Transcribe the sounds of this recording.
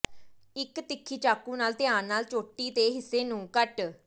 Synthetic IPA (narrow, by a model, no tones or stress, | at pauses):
ɪkt̪ɪkʰːiːt͡ʃaːkuːnaːlt̪ɪaːnnaːlt͡ʃoːʈiːd̪eːɦɪsːeːnũːkəʈ